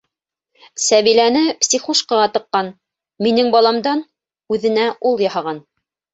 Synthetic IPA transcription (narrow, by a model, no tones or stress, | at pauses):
sæβilænɘpsʲiχuʃqɑʁɑt̪ɤ̆qːɑn | minɘŋbɑlˠɑmd̪ɑn | ʉðɘ̆næʔulˠjɑhɑʁɑn